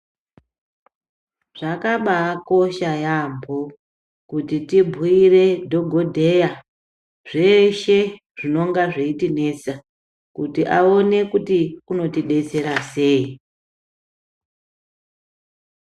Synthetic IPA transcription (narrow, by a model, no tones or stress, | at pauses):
ʐ̥akaɓako̞ʃajambʱo | kutitibʱuire̞dʱo̞ɡʱo̞dʱe̞ja | ʐeʃe̞ | ʐino̞ŋɡaʐeitine̞t͡sa | kutiʔao̞ne̞kutiuno̞tiɗe̞t͡se̞ɾase̞ːi